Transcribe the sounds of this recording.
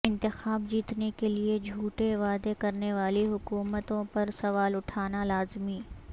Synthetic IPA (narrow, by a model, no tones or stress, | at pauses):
ɪ̃nt̪ɪxaːb̚d͡ʒiːt̪nekelied͡ʒʱuːʈeʋaːd̪ekɐɾneʋaːliɦʊkuːmət̪õpɐɾsɐʋaːlʊʈʰaːnalaːzmiː